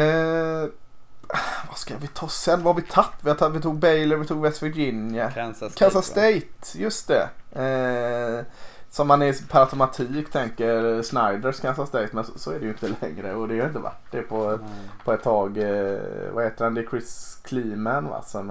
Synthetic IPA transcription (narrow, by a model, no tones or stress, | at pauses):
vaskavɪt̪ʰɑːsɛnːvahaɾvɪt̪ʰat̪ːvɪhaavɪt̪ʰuːɡ̚bɛjləɾvɪt̪ʰuːɡbɛsfɪd͡ʒɪnjəkʰansast̪ɛjt̪jɵst̪̚d̪ɛ̰ | sɔmhanɛpʰaɾat̪ʰʊmat̪ʰiːkt̪ʰɛŋkəɾsnajd̪əɾskʰansast̪ɛjt̪mɛnsɔsɔɛdɛjɵɪnt̪əlɛŋɾə̰ɔd̪ɛhaɾɪnt̪əva̰ʈːdɛpʰɔpʰɔɛt̪ʰːɑːɡ | va̰heːt̪əɾand̪ɛkʰɾɪskʰliːmænva̰sɔm